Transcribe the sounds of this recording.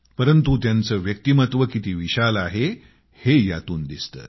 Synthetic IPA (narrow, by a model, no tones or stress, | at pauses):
pəɾənt̪ut̪jant͡səːʋjək̚t̪imət̪ʋəkit̪iːʋiɕalaɦe | hejat̪uːnd̪ist̪ə̰ː